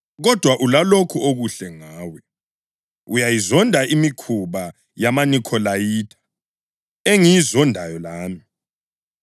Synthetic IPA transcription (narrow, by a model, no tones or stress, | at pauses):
ɣɔd̥ʱwaʔulalokʰuoɣuɬɛŋaːwɛ | ujajizɔndʱaʔimikʰuβa | jamanikʰɔlajiːtʰḁ | eŋijizɔndʱajɔlaːmi